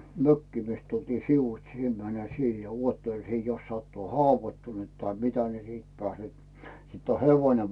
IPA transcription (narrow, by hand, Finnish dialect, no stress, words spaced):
møkːiː mist tultiː siʋuĭts sie mæne siːhe̥ jɑ uotːel siː jos sɑtːuː hɑʋoĭtːunu̞t tɑi mitæ siːt pæːset sitː o heʋoĭne